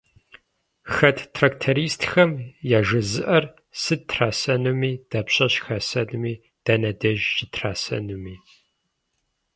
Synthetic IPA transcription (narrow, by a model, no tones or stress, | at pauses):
xɐtʰtʰraːktʰɐɾiːstʰxɐmjaːʒɐzɨʔɐr | sɨtʰraːsɐnumiːd̥ɐpɕʼɐɕxɐsɐnumiː | d̥ɐnɐdɐʒʒɪtʰraːsɐ̰numiː